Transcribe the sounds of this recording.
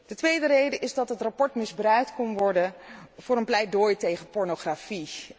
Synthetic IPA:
d̥ətʋejdərejdəʔɪzdɑtɦətrapɔɹtmɪzbrœɥk̚tkɔnʋɔɹdəvʊːrɾənplɛjdojtejχəpɔɹnoχrafi

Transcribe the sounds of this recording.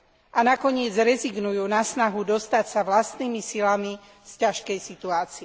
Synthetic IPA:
ʔanakɔɲɪɛd͡zɾɛziɡnujuːnasnaɦud̪ɔst̪acsaʋlast̪niːmisilami | scaʃkɛjsit̪uaːt͡siɛ

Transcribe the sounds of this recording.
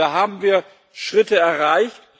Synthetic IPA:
aːɦaːbm̩viːɐ | ʃʁ̥ɪtəɛɐʁaɪçt

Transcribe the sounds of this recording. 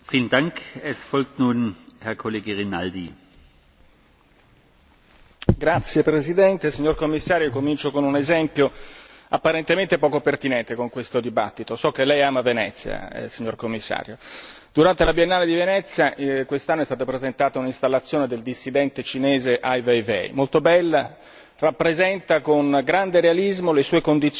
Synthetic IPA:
fiːləndaŋkɛsfɔlk̚t̪nuːnhɛɐkʰoleːɡəʁinaldḭ | ɡɾat̪sːjepɾezid̪ɛnt̪esiɲːorkomːisːaːɾjokomint͡ʃokonunezɛmpjo | apːaɾent̪ement̪epɔːkopert̪inɛnt̪ekoŋkwest̪od̪iba̰t̪ːit̪osɔkːelːɛjaːmavenɛt̪sːja̰siɲːorkomːisːa̰ːɾjo | d̪uɾant̪elabjenːaːled̪ivenɛt̪sːjakwest̪anːoɛst̪aːt̪opɾezent̪aːt̪auninst̪alːat̪sːjoːned̪eld̪isːid̪ɛnt̪et͡ʃineːzeʔajvejvɛ̰jmolt̪obɛlːa | rapːɾezɛnt̪akonɡɾand̪eɾealizmolesuːekond̪it̪s

